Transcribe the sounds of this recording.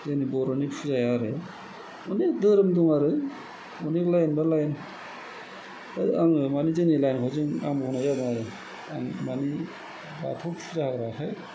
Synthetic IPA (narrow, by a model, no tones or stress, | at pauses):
zenibɔɾɔnipʰuzajaɾɯ | unikdɯɾɯmduŋaɾɯ | ɔniklajnbalajn | aaŋɯmanizenilajnkʰawzɯŋa̰ŋbɔnajabŋaɾɯ | aŋmani | ba̰tʰɔpʰuzahaɡɾahʰaj